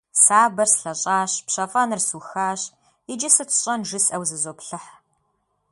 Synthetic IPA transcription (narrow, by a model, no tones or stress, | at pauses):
saːbɐrsɬɐɕʼaːɕpɕɐfʼɐnɨrsuxaːɕ | ɪd͡ʒɐsɨtʰɕʼɐnʐɨsʼɐwzɨzoːpɬɨħ